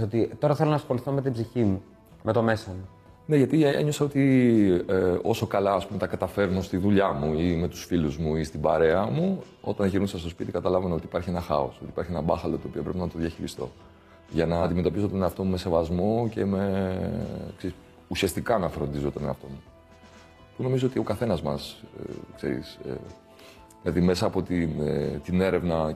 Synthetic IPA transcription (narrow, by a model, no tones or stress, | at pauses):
ot̪it̪o̞ɾɐθelonɐsxo̞liθome̞t̪ibziçimu | mʔet̪o̞me̞somu | ne̞ʝɐt̪ieḛɲo̞sɐo̞t̪ieo̞so̞kɐlɐːspume̞t̪ɐkɐt̪ɐfe̞ɾno̞st̪iðuʎɐmuime̞t̪u̥sfiluzmuist̪ibɐɾe̞ɐmu | o̞̰t̪ɐnʝiɾnusɐst̪o̞spit̪ikɐt̪ɐlɐvɐneo̞t̪i̥pɐɾçie̞nɐxɐ̰o̞̰sot̪i̥pɐɾçienɐbɐxɐlo̞t̪o̞ːpiɐpɾepenɐt̪o̞ðjɐçiɾist̪o̞̰ | ʝɐnɐd̪imet̪o̞pisot̪oneɐft̪o̞mume̞se̞vɐzmo̞ce̞me̞ | kseɾis | usiɐst̪ikɐnɐfɾo̞nd̪izot̪oneɐft̪o̞̰mu | puno̞mizo̞ot̪io̞kɐθe̞nɐzmɐskse̞̰ɾḭsḛ | ðilɐðime̞sɐːpo̞t̪inet̪ine̞ɾe̞vnɐ